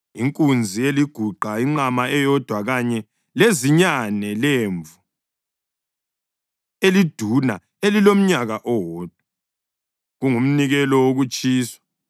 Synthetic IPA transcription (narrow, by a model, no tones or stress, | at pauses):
iŋkʼund͡zʱieliɡ̥ʱuǃaiŋ͡ǁamaɛjɔd̥ʱwaɣaɲɛ | leziɲanɛleːɱvu | elid̥ʱuna | elilom̩ɲaɣaʔɔwɔːd̥ʱwa | ɣuŋum̩niɣɛlɔwoɣut͡ʃʼiːswḁ